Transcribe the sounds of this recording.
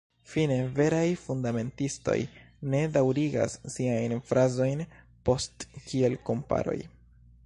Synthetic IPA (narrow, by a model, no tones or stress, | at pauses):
fine̞ve̞ɾajfundame̞ntisto̞̰j | ne̞dawɾiɡa̰sːiajnfɾazo̞jn | po̞stkʰie̞lko̞mpa̰ɾo̞̰j